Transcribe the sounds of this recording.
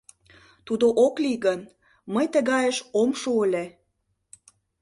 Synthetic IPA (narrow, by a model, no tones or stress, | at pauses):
t̪ud̪oʔokliɣən | məjt̪əɣɑjəʃomʃuəle